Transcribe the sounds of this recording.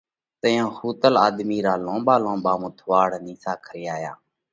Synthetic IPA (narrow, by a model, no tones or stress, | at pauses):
t̪əjõːhuːt̪əlaːd̪miːɾaːlõːɓaːlõːɓaːmõːt̪ʰʋaːɽniːsaːkʰəɾɪjaːja̰ː